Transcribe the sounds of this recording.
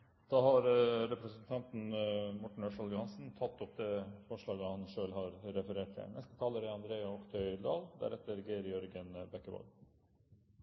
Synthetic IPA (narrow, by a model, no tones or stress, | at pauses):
d̪̥ɑːhɑɾɾɛpɾəsənt̪ʰɑnt̪n̩mɔʈɳ̩œʂɑljʊhɑnsn̩t̪ʰɑt̪ːɔp̚d̪ɛfɔʂɭɑːɡəhɑnʂøːlhɑɾɾɛfəɾeːʈ̚t̪ʰɪ̰nɛst̪ə̥t̪ʰɑːləɾɛɑnd̪ɾeːɑɔkt̪ʰœʏd̪ɑːld̪æ̰ɾɛt̪ːəɾɡeːɾjɔɾɡənbɛkːəbɔ̰l